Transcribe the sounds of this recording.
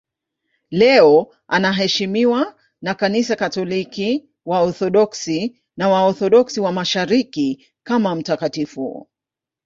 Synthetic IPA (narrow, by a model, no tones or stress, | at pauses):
lɛɔ | ʔanaɦɛʃimiwa | nakanisakatɔliki | waɔθɔɗɔksi | nawaɔθɔɗɔksiwamaʃaɾiki | kamam̩takatifṵ